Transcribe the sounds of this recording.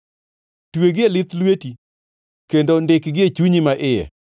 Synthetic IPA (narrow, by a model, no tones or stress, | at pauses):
tweɡɪelɪt̪lweti | kendondɪkɡɪet͡ʃuɲimaʔɪjɛ̰